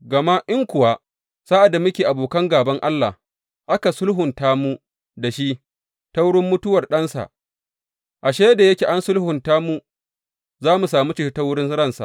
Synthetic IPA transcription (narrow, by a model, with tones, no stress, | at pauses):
ɡɐ˨ma˦ʔɪ˦ŋkʷʊ˨wa˦ | saː˦ʔa˨da˨mʊ˦kʲeː˨ʔa˨boː˨kɐ˦ŋɡaː˨bɐ˦ŋʔa˦lːa̰˨h | ʔa˦ka˨sʊ˦lɦʊ˨ntaː˦mu˦ | da˨ʃi˦ʔ | ta˦wʊ˦ɽɪ˦mːʊ˦tʊ˦wɐ˨rɗɐ˦nsa̰˨ʔ | ʔa˨ʃeː˦jda˨jɐ˦kʲe˨ʔa˦nsʊ˦lhʊ˨ntaː˦mu˦ | zaː˦mu˨saː˨muː˦t͡ʃɪ˦ʃta˦wʊ˦ɽɪ˦n˦ɾɐ˦˨nsa̰˨ʔ